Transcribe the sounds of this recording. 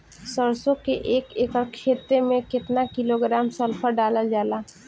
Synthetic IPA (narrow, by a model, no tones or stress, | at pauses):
səɾsõkeʔeːkeːkəɾkʰeːt̪ɾemẽkɪt̪nakɪloɡɾaːmsəlpʰəɾɖaːlad͡ʒaːlaː